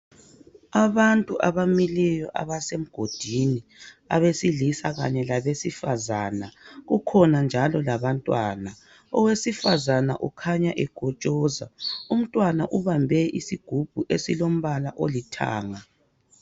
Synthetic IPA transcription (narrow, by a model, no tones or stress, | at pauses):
aβantʼuʔaβamilijɔʔa̰βasem̩ɡ̥ʱod̥ʱinia̰βesilisaɣa̰ɲɛlaβesifazaːnaɣukʰɔnand͡ʒʱalɔlaβantʼwaːna | ɔwesifazanaʔukʰaɲaʔɛɡ̥ʱɔt͡ʃʼɔːza̰um̩tʼwanaʔuβambʱɛʔisiɡ̥ʱub̥ʱuʔesilom̩βalaʔolitʰa̰ːŋa